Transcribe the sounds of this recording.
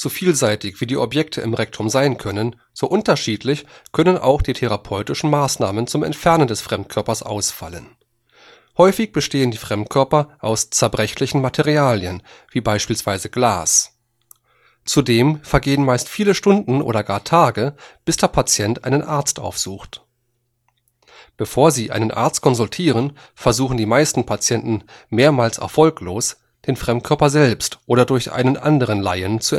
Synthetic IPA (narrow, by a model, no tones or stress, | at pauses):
z̥ufiːlzaɪtɪçv̥iːdiːʔɔpjɛk̚tʰəʔɪmʁɛk̚tʰʊmzaɪnkʰœnən | z̥oːʔʊntɐʃiːtʰlɪçkʰœnənʔa̰ʊxd̥iːtʰɛʁapʰɔʏtɪʃn̩maːsnaːmənt͡sʊmɛ̰ntfɛɐnəndɛsfʁ̥ɛmt̚kʰœɐpɐsʔa̰ʊsfa̰lən | hɔʏfɪçb̥əʃteːəndiːfʁ̥ɛmtkʰœɐpɐʔaʊst͡sɛɐbʁɛçlɪçn̩matʰɛʁiaːljənviːbaɪʃpiːlsv̥aɪzəɡlaːs | t͡sudeːmfɛɐɡeːənmaɪstfiːləʃtʊndn̩ʔo̰ːdɐɡaːɐtʰaːɡəb̥ɪsd̥eːɐpʰat͡sjɛntʔa̰ɪnənʔaɐt͡stʔa̰ʊfz̥uːxt | b̥əfoːɐziːʔa̰ɪnənʔa̰ɐt͡st̚kʰɔnzʊltʰiːʁ̞ən | fɛɐzuːχn̩diːmaɪstn̩pʰat͡sjɛntn̩meːɐmaːlsɛ̰ɐfɔlkloːs | d̥eːnfʁ̥ɛmt̚kʰœɐpɐzɛlpstʔoːɾɐdʊɐçʔa̰ɪnənʔa̰ndəʁ̞ənla̰ɪənt͡suɛ